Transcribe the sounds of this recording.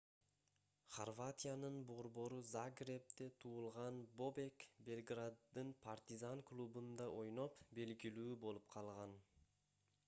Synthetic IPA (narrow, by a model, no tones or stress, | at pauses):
χorvat̪ʲijanɯnbo̞ɾbo̞ɾuzaɡrʲep̚t̪et̪ʰuːlˠʁɑnbo̞bekbʲe̞lʲɡrad̪ːɯnpʰart̪ʲizaŋklˠubund̪ɑʔo̞jno̞pbe̞lɡilyːbo̞lˠup̚qʰɑlˠʁɑn